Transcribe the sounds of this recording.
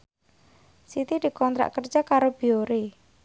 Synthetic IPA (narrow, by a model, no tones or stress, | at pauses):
sit̪id̪̥i̤kɔnt̪ɾa̰ʔkər̥d͡ʒakaɾob̥i̤oɾe